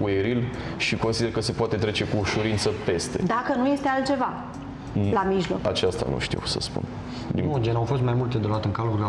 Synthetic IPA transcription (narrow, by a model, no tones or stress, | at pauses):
ueɾil | ʃiko̞nsid̪erkəse̞poat̪e̞t̪ɾe̞t͡ʃe̞kuːʃuɾint̪səpe̞st̪e̞d̪akənuje̞st̪ealt̪̚t͡ʃe̞va | lamiʒlo̞̰kat͡ʃast̪a̰nṵʃt̪ḭwsə̰spṵn | d̪ḭŋud͡ʒenawfo̞st̪majmult̪ed̪olat̪ɨŋkaluɾ